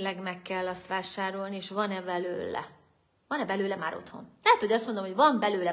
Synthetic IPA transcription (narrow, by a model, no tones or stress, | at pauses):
lɛɡmɛkːɛlːɒst̪ʋaːʃaːɾo̞lnieːʃʋɒnɛbɛlø̰ːlɛ̰ | vɒnɛbɛløːlɛmaːɾo̞̰t̪ho̞̰nlɛɦɛt̪hoɟɒst̪mo̞nd̪omho̞ɟvɒmbɛløːlɛ